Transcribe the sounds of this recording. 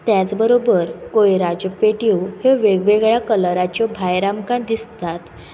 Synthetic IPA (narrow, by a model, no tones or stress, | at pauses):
t̪jat͡sbəɾobəɾkojɾad͡ʑpeʈiwheʋeɡʋeɡɭjakəlɾat͡ɕjɔbʱajɾamkãd̪ist̪at̪